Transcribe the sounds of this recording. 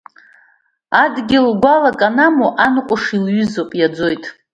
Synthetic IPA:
adɡʲɪlɡʷalakʼanamoʔanqʷʼʊʂilɥʏzopʼjad͡zo̞jtʼ

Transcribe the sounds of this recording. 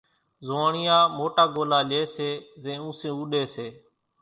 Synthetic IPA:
zoːɳɪjãːmoːʈaːɡoːlaːleːseːzẽːũːsẽːuːɗeːseː

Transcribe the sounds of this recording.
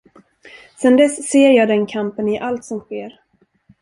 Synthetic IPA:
sɛnd̪ɛsːeːɾjɑːd̪ɛnkʰampənɪʔalt̪sɔmɧeːɾ

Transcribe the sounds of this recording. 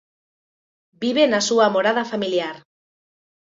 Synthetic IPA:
biβ̞enasuamoɾað̞afamiljaɾ

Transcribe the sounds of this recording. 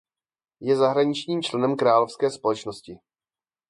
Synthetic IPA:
jɛzaɦɾaɲɪt͡ʃɲiːmt͡ʃlɛnɛmkɾaːlo̞fskɛːspo̞lɛt͡ʃnoscɪ

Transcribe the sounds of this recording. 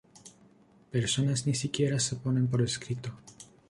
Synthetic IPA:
pe̞ɾso̞naznisikje̞ɾasepo̞ne̞mpo̞ɾeskɾit̪o

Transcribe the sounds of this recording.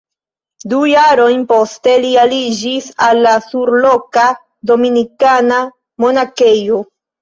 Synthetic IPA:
dujaɾo̞jnpo̞ste̞lialid͡ʒisalːasuɾlo̞ka | do̞minikana | mo̞nake̞jo̞

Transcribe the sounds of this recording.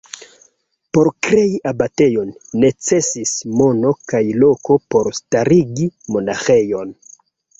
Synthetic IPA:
po̞ɾkɾe̞iʔabate̞jo̞nːe̞t͡se̞sismo̞no̞kajlo̞ko̞po̞ɾstaɾiɡimo̞naxe̞jo̞n

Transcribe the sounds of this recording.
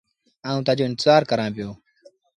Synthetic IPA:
ãːũːt̪aːd͡ʒoːɪnt̪ɪzaːɾkəɾãːpɪjoː

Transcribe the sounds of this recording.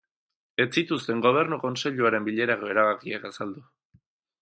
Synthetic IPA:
e̞t͡sit̪ust̪e̞ŋɡo̞β̞e̞ɾnuko̞nse̞ʎuaɾe̞mbiʎe̞ɾaɣo̞e̞ɾaβakiakasald̪u

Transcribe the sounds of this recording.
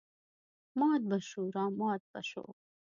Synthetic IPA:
mɑːt̪̚bɐʃuːɾɑːmɑːt̪̚bɐ̰ɕo̰ː

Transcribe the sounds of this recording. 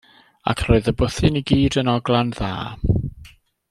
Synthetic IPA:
a̰kʰroːɨðəbʊθɨniɡiːdənɔɡlˠanða̰ː

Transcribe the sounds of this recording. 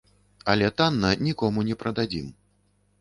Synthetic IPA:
ɐlʲɛt̪anːɐnʲikɔmunʲɛpɾɐd̪ad͡zʲḭm

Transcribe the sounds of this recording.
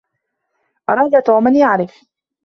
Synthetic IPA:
ʔɑɾˤɑːd̪at̪oːmanjaʕɾɪf

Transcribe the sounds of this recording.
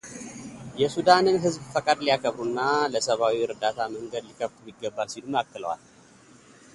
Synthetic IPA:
jɛsud̪anɨnɦɨzbfəkʼad̪lijakʰəβɾunːaləsəβawiɨɾd̪at̪ʰaməŋɡəd̪likʰəft̪ʼmiɡːəbːalsiluməakːɨləwa̰l

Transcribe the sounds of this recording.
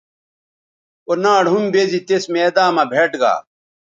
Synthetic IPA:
onaːɽɦumbezit̪esmeːd̪aːmabʱeʈɡa̰ː

